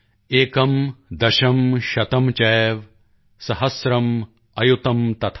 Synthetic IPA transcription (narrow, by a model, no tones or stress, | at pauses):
eːkɐmd̪ɐʃɐmʃɐt̪ɐmt͡ʃɐːjʋ | sɐɦɐsɾɐm | ɐjut̪ɐmt̪ɐt̪ʰ